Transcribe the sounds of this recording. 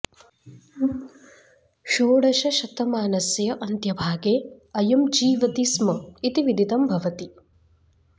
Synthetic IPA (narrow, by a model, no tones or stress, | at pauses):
ʃoːɽɐʃɐʃɐt̪ɐmaːnɐsjɐʔɐnt̪jɐbʱaːɡeːɐjɐmd͡ʒiːʋɐt̪ismɐit̪iʋid̪ʱid̪ɐmbʱɐʋɐt̪i